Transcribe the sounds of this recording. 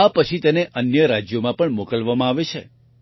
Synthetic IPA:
apət͡ʃʰit̪eneʔənjəɾad͡ʒjomãpəɳmokəlʋamãaʋet͡ʃʰḛ

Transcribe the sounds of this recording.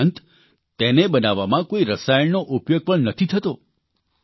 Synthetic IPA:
nt̪ | t̪enebənaʋamãkoiɾəsajəɭnoʔupjoɡ̚pəɳnət̪ʰit̪ʰət̪o

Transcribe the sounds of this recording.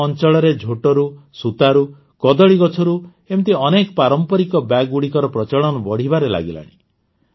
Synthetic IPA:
ɔnt͡ʃɔɭɔɾed͡ʒʱoʈɔɾusut̪aɾu | kɔd̪ɔɭiɡɔt͡ʃʰɔɾu | emt̪iɔnekɔpaɾɔmpɔɾikɔbaɡuɽikɔɾɔpɾɔt͡ʃɔɭɔnɔbɔɽ̤ibaɾela̰ɡila̰ɽ̃ḭ

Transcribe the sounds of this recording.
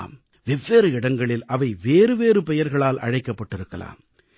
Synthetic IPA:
m | ʋɛʋːeːɾɯɪɽɐŋɡɐɭɪlɐʋɐɪʋeːɾɯʋeːɾɯpɛjɐɾɣɐɭaːlɐ̰ɻɐɪkːɐpːɐʈːɪɾɯkːɐla̰ːm

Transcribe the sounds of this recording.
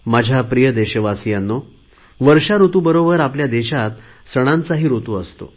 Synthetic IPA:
mad͡ʑʱjapɾijəd̪eɕəʋasijanːo | ʋəɾɕaɾut̪uːbəɾobəɾapljad̪eɕat̪ | səɽ̃ãnt͡saɦiːɾot̪uəst̪o̰

